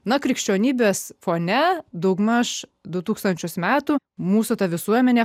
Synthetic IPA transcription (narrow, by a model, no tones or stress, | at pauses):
nɐkɾʲɪkʃʲt͡ʃʲoːnʲiːbʲeːsfoːnʲɛd̪ɐʊɡmɐʃd̪ʊt̪uːkst̪ɐnʲt͡ʃʲʊsmʲæːt̪uː | muːsʊt̪ɐʋʲɪsuɔmʲɛnʲeː